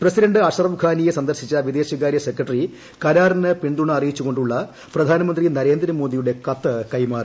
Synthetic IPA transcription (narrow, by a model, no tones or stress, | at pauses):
prɐsidɐɳɖɨɐɕɐrɐʋɡʱaːnijesɐnd̪ɐrɕit͡ɕːɐʋid̪e̞ːɕɐɣaːɾjɐsekrɐʈːri | kɐɾaːrɐnɨpiɳd̪uɳɐɐrijit͡ɕːuɣo̞ɳɖuɭːɐ | prɐd̪ʱaːnɐmɐnd̪rinɐɾe̞ːnd̪ɾɐmo̞ːd̪ijuɽe̞kɐt̪ːɐkɐjmaːr